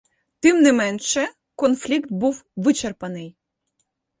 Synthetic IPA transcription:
t̪ɪmnɪmɛnʃɛ | kɔnflʲikt̪̚buwʋɨt͡ʃerpɐnɪj

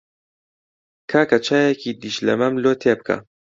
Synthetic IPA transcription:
kʰaːkɐt͡ʃʰaːjekid̪iʃlɐ̰mɐmloːt̪ʰeːb̚kʰɐ̰

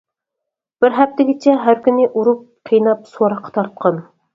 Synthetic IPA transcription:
b̥ɪɾɦɛp̚t̪ɪɡʲɪt͡ʃʰɛɦæɾkʲynɪʔuɾup̚qʰijnɑp̚soɾɑqʰːɑ̥t̪ʰɑɾt̪̚qʰɑn

